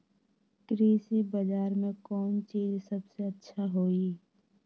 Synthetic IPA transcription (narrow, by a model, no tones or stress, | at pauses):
kɾeːsibəd͡ʒaːɾmẽkɔːnt͡ʃiːzsɐbseɐtːʃʰaɦoːi